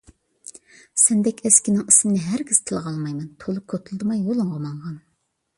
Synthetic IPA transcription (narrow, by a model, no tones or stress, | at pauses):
sɛnd̪ɛkʲɛskʲinɪŋisɪmnɪɦæɾɡʲiz̥t̪ʰɨlˠʁɑlˠmɑjmɛnt̪ʰolˠʊkʲʰot̪ʰulˠd̪ɨmɑjːolˠɨŋʁomɑɴʁɑn